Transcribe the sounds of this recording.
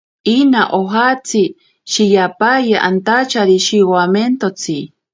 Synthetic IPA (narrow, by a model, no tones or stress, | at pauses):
inaʔoɦat͡sʰi | ʃijapajaʔant̪at͡ʃaɾiʃiwament̪ot͡sʰi